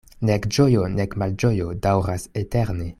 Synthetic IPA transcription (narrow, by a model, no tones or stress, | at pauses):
nekd͡ʒojonekmald͡ʒojodawɾaseteɾne̞